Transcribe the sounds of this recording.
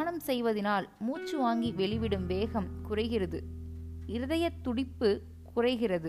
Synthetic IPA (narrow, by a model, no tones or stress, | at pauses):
ɳɐmsɛjʋɐðɪnaːlmuːt͡ʃːɯʋaːŋɡiʋɛɭɪʋɪɽɯmʋeːɣɐmkʊrɐɪɣɪrɐðɯ | ɪɾɯðɐjɐt̪ːʊɽɪpːɯ | kʊrɐɪɣɪrɐðɯ